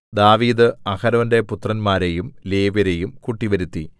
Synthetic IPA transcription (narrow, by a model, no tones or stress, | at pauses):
d̪aːʋiːd̪ɨɐhɐɾoːnde̞put̪rɐnmaːɾe̞jumleːʋɐɾe̞jumkuʈːiʋɐɾut̪ːi